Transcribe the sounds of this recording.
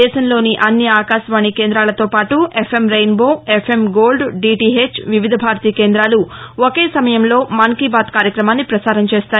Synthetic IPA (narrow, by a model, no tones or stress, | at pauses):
ɛːʃɐmlo̞ːniʔɐnːjɐaːkaːʃʋaːɳikeːnd̪ɾaːlɐt̪o̞ːpaːʈuʔepʰemɾɐjnboːepʰe̞mɡo̞ːlɖɖiːʈiɦeːt͡ʃʋiʋid̪ʱɐbʱaːɾt̪iːkeːnd̪ɾaːluoke̞ːsɐmɐjɐmlo̞ːmɐŋkiːbaːt̪kaːɾjɐkɾɐmaːnːipɾɐsaːɾɐmt͡ʃeːst̪aː